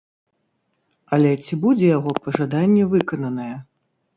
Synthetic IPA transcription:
ɐlʲɛt͡sʲibud͡zʲɛjaɣɔpɐʐad̪anʲːɛvɨkɐnɐnɐjɛ

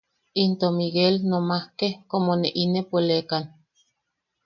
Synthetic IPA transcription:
int̪omiɡelnomahkekomoneʔinepolekan

